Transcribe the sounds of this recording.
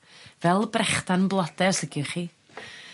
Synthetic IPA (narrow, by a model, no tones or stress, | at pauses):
vɛlˠbrɛχtanənblˠɔd̥ɛrsəɡjʊχiː